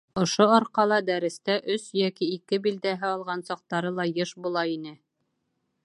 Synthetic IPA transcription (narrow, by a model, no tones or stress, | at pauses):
ŏʃoɒɾqɑlˠɑd̪æɾɘ̆st̪æʔɵsjækiːkɘbild̪æɦɘɑlˠʁɑnsɑq̚t̪ɑɾɤlˠɑjɤʃbulˠɑinɘ